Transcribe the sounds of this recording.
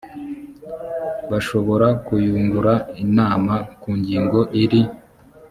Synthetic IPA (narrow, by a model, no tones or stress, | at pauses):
βaʃo̞βo̞ɾakujuːŋɡuɾainaːmakuːɲɟiːŋɡo̞ʔiɾi